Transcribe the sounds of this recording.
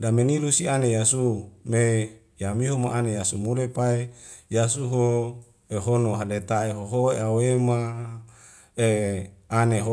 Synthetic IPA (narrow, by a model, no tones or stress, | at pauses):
damenilusianejasume | jamiɦomaʔanejasumulepaejasuɦo | eɦonoɦalet̪aeɦoɦoeawema | eaneɦo